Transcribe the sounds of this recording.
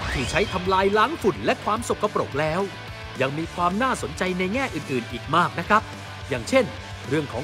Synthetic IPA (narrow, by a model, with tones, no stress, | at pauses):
t̪ʰiː˧˩t͡ɕʰa˦˥jt̪ʰa˧mlaː˧jlaː˦˥ŋfu˨˩nlɛ˦˥kʰwaː˧mso˨˩kːa˧pɾo̰˨˩k̚lɛː˦˥w | ja˧ŋmiː˧kʰwaː˧mnaː˥˩so˩˦nt͡ɕa˧jna˧jŋɛː˥˩ʔɯː˨˩nʔɯː˨˩nʔiː˨˩k̚maː˥˩k̚na˦˥kʰɾa˦˥p̚ | jaː˨˩ŋt͡ɕʰe˥˩n | ɾɯ˥˩əŋkʰɔː˩˦ŋ